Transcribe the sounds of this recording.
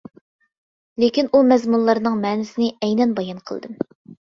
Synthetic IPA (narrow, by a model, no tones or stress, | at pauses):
lekʲinumɛzmunlˠɑɾnɨŋmɛːnɪsɪnɪɛjnɛnbɑjɑnqʰə̰l̰ˠd̪ɨm